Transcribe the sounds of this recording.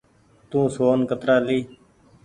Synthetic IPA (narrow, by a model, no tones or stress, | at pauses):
t̪ũːsoːnkət̪ɾaːliː